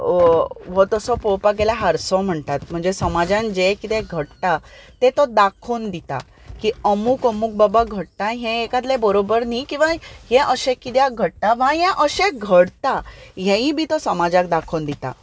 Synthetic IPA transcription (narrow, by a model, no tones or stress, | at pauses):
ʋot̪əsɔpowpak̬elaɦəɾsɔ̃m̤əɳt̪at̪̚m̤əɳd͡zesəmad͡ʑãnd͡ʑekit̪ɛ̃ɡʱəɽt̪at̪et̪ɔd̪akʰond̪it̪a̰ | kiəmukəmuk̚babaɡʱəɽt̪ãɦẽːkat̪̬lebəɾobəɾnikĩʋãjɛ̃ʔəɕẽkit̪jaɡʱəɽ̚t̪aʋãɦɛ̃ʔəɕẽɡʱəɽt̪aɦẽĩbʱit̪ɔsəmad͡ʑak̚d̪akʰond̪it̪a̰